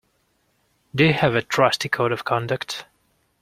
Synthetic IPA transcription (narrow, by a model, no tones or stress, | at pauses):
d̪ehɨvɨtʰɹ̥ʌstikʰoʊɾʌv̥kʰɑ̃ndəkt